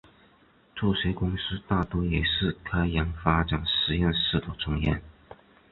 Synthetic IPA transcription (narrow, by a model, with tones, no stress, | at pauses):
ʈ͡ʂu˥˩ʂwe˧˥ɪkʊ˥ŋsɹ̩˥t̪a˥˩t̪wɔ˥jɛ˨˩ʂɻ̩˥˩kʰa˥ɪjɑ˧˥ŋfa˥ʈ͡ʂa˨˩nʂɻ̩˧˥jɛ˥˧nʂɻ̩˥˩t̪ʰu˥˨˩t͡sʰʊ˥ŋjɛ̰˥˩n